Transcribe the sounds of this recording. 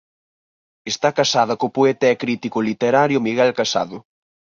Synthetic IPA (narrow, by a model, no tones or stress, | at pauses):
est̪akasaðɐkopoɛt̪aɛkɾit̪ikʊlit̪eɾaɾjʊmiɣɛlkasa̰ðʊ